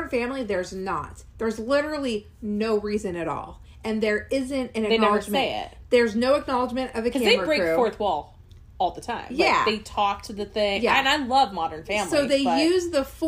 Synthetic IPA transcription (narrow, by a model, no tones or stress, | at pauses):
ə˞nfæ̃mliðə˞znə̰t̪̚ðə˞zlɪɾə˞l̩ˠi | noʊɹizɨ̃nɨɾɔ̰lˠ | ɨ̃nðə˞ɪzɨ̃ntɨ̃nɨkeɪnɛləəd͡ʒ̃eɪɪ̰t̚ðə˞znoʊɨk̚nɑlˠəd͡ʒmɨ̃ɾtʌvɨkʰʌæ̃ðeɪmə˞əbɹẽkfɔɹθwɔlˠ | ɔlˠðətʰãɪ̃bjæ̰ðeɪtʰɔk̚tʰɨðɨθɪ̃ŋjæɨ̃naɪlʌvmɑɾə̃˞nfæ̃msoiʊðeɪjʉzðəf